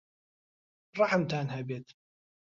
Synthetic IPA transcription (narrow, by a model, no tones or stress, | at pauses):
ɾˤɑħamt̪aːnɦabeːt̪